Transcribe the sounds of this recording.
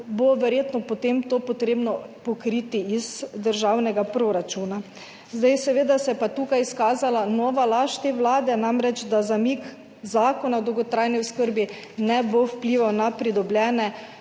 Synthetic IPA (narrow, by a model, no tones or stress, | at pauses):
boʋɛɾjeːt̪nɔpot̪emt̪opɔt̪ɾeːbnɔpɔkɾit̪iizd̪əɾʒawnɛɡapɾoɾat͡ʃuːna | zd̪ajsɛʋeːd̪asɛɛpat̪uːkajiskaːzalanɔːʋalaʃt̪eʋlaːd̪ɛnamɾɛd͡ʒd̪azamik | zaːkɔnawd̪ɔwɡɔt̪ɾajniʊskəɾbi | nɛbowpliːʋawnapɾid̪ɔbljɛːnɛ